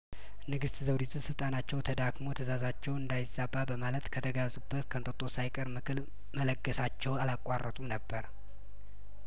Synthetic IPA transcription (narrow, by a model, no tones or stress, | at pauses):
nɨɡɨst̪zəwd̪it̪ʰusɨlt̪ʼanat͡ʃːɛwt̪ʰəd̪aɡmo̞t̪ʰəzazat͡ʃːɛwɨnd̪ajɪzababəmalət̪kʰət̪ʰəɡazubːət̪kʰənt̪ʼət̪ʼo̞sajkʼəɾmɨkʰɨl | mələɡːəsat͡ʃːɛwalakʼːa̰rːʔət̪ʼunəbːəɾ